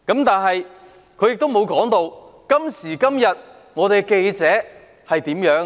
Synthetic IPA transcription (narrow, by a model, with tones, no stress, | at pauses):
kɐ˨˥mt̪aː˨nɦɐ˨j | kʰɵ˨˧ɥjɪ˨k̚t̪o˥wmo˨˧wkɔː˨˥ŋt̪o˧wkɐ˥msiː˨˩kɐ˥mjɐ˨t̚ | ŋɔː˨˧t̪e˨ke˧jt͡sɛː˨˥ | hɐ˨jt̪iː˨˥mjœː˨˥ŋ